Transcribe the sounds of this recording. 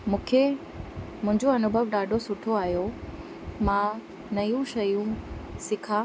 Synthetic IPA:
mũːkʰe | mʊ̃ɦɪ̃ɲd͡ʑoɐnʊbʱəʋɗaːɖʱosʊʈʰoaːɦjo | mã | nɐjũʃɐjũsɪkʰaː

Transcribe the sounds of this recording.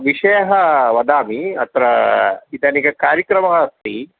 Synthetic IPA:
ʋiʂɐjɐɦɐʋɐd̪aːmiɐ̰t̪ɾɐit̪anikɐkaːɾjɐkɾɐmɐɦɐɐst̪i

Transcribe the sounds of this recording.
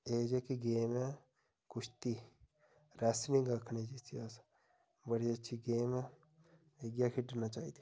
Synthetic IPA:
eːd͡ʒeːkiɡeːmɛː | kʊt͡ʃʰt̪iː | ɾɛːsnĩŋɡəkʰneːd͡ʒitias | bəɽiətːʃʰiɡeːmɛ̃ː | ʋeɡjaːkʰiɖənat͡ʃaːḭːd̪i̥ː

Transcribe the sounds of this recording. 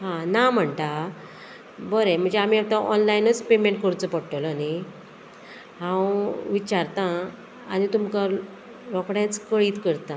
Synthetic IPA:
ɦãnam̤əɳt̪a | bəɾem̤əɳd͡zeam̤iːawt̪aʔɔnlainət͡spemeɳʈ̚kəɾt͡səpəɽʈələni | ɦãwʋit͡ɕaɾt̪ã | anit̪umka | ɾɔkɽjãt͡skəɭiːt̪kəɾt̪ã

